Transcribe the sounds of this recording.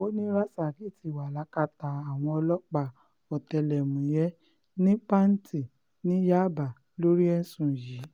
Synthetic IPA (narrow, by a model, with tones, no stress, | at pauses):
o˦nĩ˦ɾa˦sa˨ɡi˨˦˨ti˨wa˨la˨˦ka˧ta˨a˨w̃ɔ̃˧ɔ˧lɔ˦k͡pa˨ | ɔ˨tɛ˧˨lɛ˨mũ˨jɛ˦ | nĩ˦k͡pa˦n̩˦ti˦˨ | nĩ˨˦ja˦˨ba˨ | lo˦ɾi˦ɛ˧n̩˦sũ˨jiː˨˦